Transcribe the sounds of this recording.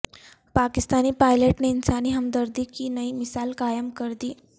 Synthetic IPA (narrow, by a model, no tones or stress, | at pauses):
pakist̪aniːpajleʈneinsaniɦəmd̪əɾd̪iːkinəiːmisalkajəmkəɾd̪iː